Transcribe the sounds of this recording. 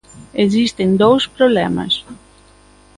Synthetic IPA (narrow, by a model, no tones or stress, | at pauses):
ezist̪end̪owspɾoβlɛmɐ̰s